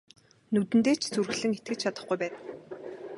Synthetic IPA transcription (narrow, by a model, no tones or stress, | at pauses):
nut̪ɘ̆nt̪eːt͡ɕʰt͡surɣɮɘ̆ŋet̪̚ɡɘ̆t͡ɕt͡ɕʰat̪ə̆χɡujpæːn